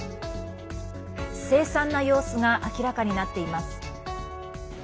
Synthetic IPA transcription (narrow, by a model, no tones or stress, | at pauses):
se̞ːsãnːajo̞ːsɨɡaʔakʲiɾakaɲ̟inat̪ːe̞imasɨ̥